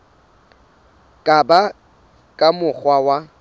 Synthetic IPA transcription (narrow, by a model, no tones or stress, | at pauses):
kʼaba | kʼamʊk͡xʰwawa